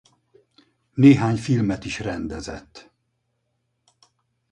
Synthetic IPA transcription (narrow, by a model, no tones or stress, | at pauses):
neːɦaːɲfilmɛt̪iʃrɛnd̪ɛzɛ̰t̪ː